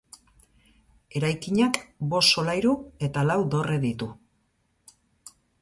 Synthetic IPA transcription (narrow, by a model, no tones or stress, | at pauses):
e̞ɾajkiɲakbo̞so̞lajɾue̞t̪alawd̪o̞reðit̪u